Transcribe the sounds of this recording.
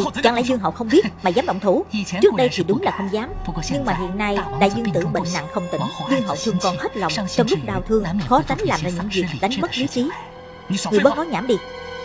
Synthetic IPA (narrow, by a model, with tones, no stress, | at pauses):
t͡ɕwa̰˧˩ŋlaː˧˥˦jzɨ˧əŋɦə̰˨wxə˧wŋ͡mɓi˦˥ət̚maː˨˩zaː˨˦mɗə̰˧˨wŋ͡mt̪ʰu˧˩t͡ɕɨ˦˥ək̚ɗə˧jt̪ʰi˨˩ɗʊ˨˦ŋ͡mlaː˨˩xə˧wŋ͡mzaː˨˦m˦ɲɨ˧ŋmaː˨˩ɦḭ˧˨ənːa˧jɗa̰ː˧˥zɨ˧ŋt̪ɨ̰˧˩ɓḛ˧˨nna̰˧˨ŋxə˧wŋ͡mt̪ï˧˩˦ŋ̟zɨ˧əŋɦə̰˧˨wt̪ʰɨ˧əŋkɔ˨˩nhe˦˥t̚lɔ̰˨wŋ͡mt͡ɕɔ˧wŋ͡mlʊ˦˥k͡p̚ɗaː˧˩wt̪ʰɨ˧əŋ˧˥xɔ˨˦t͡ɕa˨˦jŋ̟laː˨˩mzaː˧ɲɨ̰˧˥ŋvi˨˩ək̚ɗa˨˦jŋ̟ɓə˦˥t̚li˨˦t͡ɕi˨˦ | ŋɨ˨˩əjɓt̚kɔ˨˦ɲaː˧˩mɗi˧